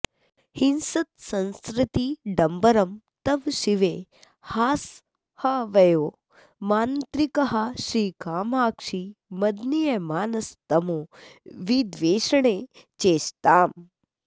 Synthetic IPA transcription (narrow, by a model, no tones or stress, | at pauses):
hinsɐt̪sɐ̃nskɾɪt̪iɖɐmbɐɾɐm | t̪ɐʋʃiʋeː | haːs | hɐʋɐjoː | maːnt̪ɾikɐɦɐʃɾiːkaːmaːkʂiːmɐd̪nijɐmaːnɐst̪ɐmoːʋid̪ʋeːʃɐɳ̃eːt͡ʃeːst̪aːm